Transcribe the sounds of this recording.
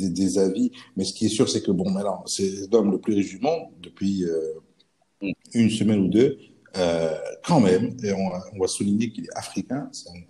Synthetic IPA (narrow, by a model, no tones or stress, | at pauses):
ed̪ezavimɛsə̥kʲiɛsyʁsɛkəbɔ̃mɛlɑ̃sɛlɔmləplyʁeʒymɑ̃d̪əpɥiø | ynsəmɛnud̪ø | økʰɑ̃mɛmeɔ̃ɔ̃vasuliɲekilɛafχikʲɛ̃sɔ̃